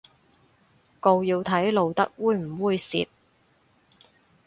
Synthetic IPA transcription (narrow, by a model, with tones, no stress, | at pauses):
ko˧wjiː˧wt̪ʰɐ˨˥jlo˨˧wt̪ɐ˥k̚wuː˧jm̩˨˩wuː˨˧jsḭː˧t̪̚